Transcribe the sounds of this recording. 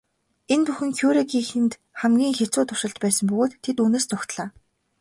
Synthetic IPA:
enpuxɘ̆ŋkʰjuːɾeɡiːxɘ̆nt̪ | χæmɡʲiːŋxet͡sʊːt̪ʊʃɪ̆ɮt̪pæːsə̆mpɵɣoːt̪ʰːet̪uːneːst͡sʰʊxt̪ɮaː

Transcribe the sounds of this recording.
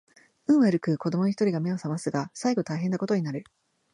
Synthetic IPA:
ɯ̟̃ɰ̃βaɾɯ̟kɯ̟ko̞d̪o̞mooçi̥t̪o̞ɾiɡame̞o̞samasɨɡasaiɡo̞t̪aiɦẽ̞nːako̞t̪o̞ɲ̟inaɾɯ̟

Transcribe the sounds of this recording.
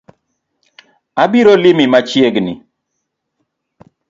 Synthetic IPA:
abiɾolimimat͡ʃjeɡni

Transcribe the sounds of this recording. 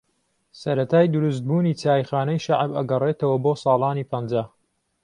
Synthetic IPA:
sɐɾɐt̪ʰaːjd̪ʊɾus̬t̪̚buːniːt͡saːjxaːnɐjʃaʕbɐ̰ɡɐrˤeːt̪ɐwɐboːsɑːlˠɑːniːpʰɐnd͡ʒaː

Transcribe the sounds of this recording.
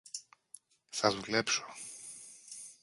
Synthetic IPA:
sazuklɛpʂɔ̥

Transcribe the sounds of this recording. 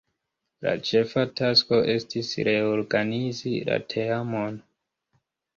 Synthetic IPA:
la̰t͡ʃe̞fatasko̞ʔe̞stisɾe̞oɾɡanizila̰tʰeamon

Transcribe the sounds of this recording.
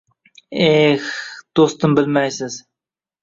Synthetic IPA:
exd̪̥ost̪ɨmbɪlmæjsɪz̥

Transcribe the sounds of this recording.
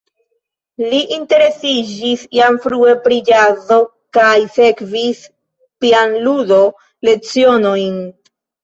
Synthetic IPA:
liʔinte̞ɾe̞sid͡ʒisjamfɾuepɾid͡ʒazo̞ | kajse̞kvis | pianludo̞ | le̞t͡sio̞no̞jn

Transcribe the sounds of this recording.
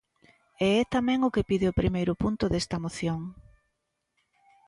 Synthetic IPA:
eɛt̪amɛ̃ŋʊkɪpiðɪʊpɾʔimejɾʊpunt̪ʊðɛst̪ɐmoθjoŋ

